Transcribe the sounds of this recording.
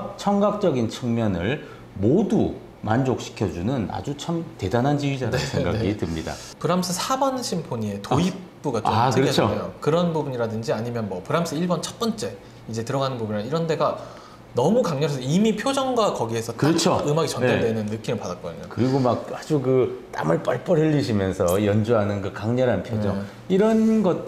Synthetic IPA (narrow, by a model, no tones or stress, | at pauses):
t͡ɕʰʌŋɡak̚t͡ɕ͈ʌɡint͡ɕʰɯŋmjʌnɯɭ | modu | mand͡ʑok̚ɕ͈ʰi̥kʰjʌd͡ʑunɯna̰d͡ʑut͡ɕʰamte̞danɦand͡ʑiɥid͡ʑanesʰeɡa̰eɡitɯmɲida̰ | pɯɾams͈ʰɯsʰabʌnɕʰimpʰoɲie̞toip̚p͈uɡat͡ɕoakeɯʌet͡ɕʰojokɯɾʌnbubuɲiɾadɯnd͡ʑiaɲimjʌnmwʌpɯɾams͈ʰɯiɭbʌnt͡ɕʰʌt̚p͈ʌnt͡ɕ͈e̞ | id͡ʑe̞tɯɾʌɡanɯnbubɯɲiaiɾʌnde̞ɡa | nʌmukaŋɲʌɦasʰʌimipʰjod͡ʑʌŋɡwakʌɡie̞sʰʌtkɯɾʌt͡ɕʰoɯmaɡit͡ɕʌndadwenɯnːɯk͈imɯɭpadat̚k͈ʌ̰dɯ̰ɲo̰kɯɾiɡomak̚ad͡ʑukɯt͈a̰mɯɭp͈aɭp͈ʌɾɯʎːiɕʰimjʌnsʰʌjʌnd͡ʑuɦanɯnkɯkaŋɲʌɾanpʰjod͡ʑʌŋ | iɾʌnɡʌt̚